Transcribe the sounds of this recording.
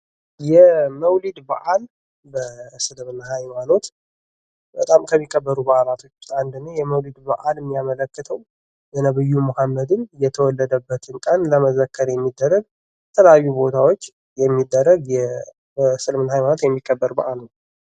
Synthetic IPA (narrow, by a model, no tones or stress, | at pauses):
jɛməwlid̪ba̰ʔal | bəsɨlmɨnhajmano̞t̪ | bət̪ʼamkʰəmːikʼːəbːəɾubaʔalat̪ʰo̞t͡ʃːand̪ɨnːəjɛməwlid̪ba̰ʔalmːijamələkːɨt̪ʰəw | jənəβɨjːumohamːəd̪ɨnjɛt̪ʰəwɔlːəd̪əbːət̪ʰɨnkʼanləməzəkʰːəɾjɛmːid̪ːərːəɡ̚ | t̪ʰələjajːubo̞t̪ʰawo̞t͡ʃː | jɛmːid̪ːərːəɡjɛ | əsɨlɨmɨnahajmanot̪jɛmːikʼːəbːəɾba̰ʔalnəw